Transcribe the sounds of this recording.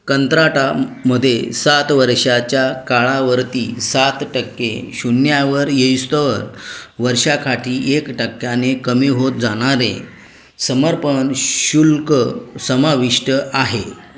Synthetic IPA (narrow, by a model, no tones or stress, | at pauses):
kənt̪ɾaʈaməd̪ʱjesat̪ʋəɾʂat͡ɕjakaɭaʋəɾt̪iːsat̪ʈəkːḛ̃ɕunjaʋəɾjeist̪əʋəɾʋəɾʂakʰaʈʰiːʔekʈəkːjanekəmiɦot̪̚d͡zaɽ̃aɾḛ̃ | səməɾpənɕulkəsəmaʋiʂʈəaɦe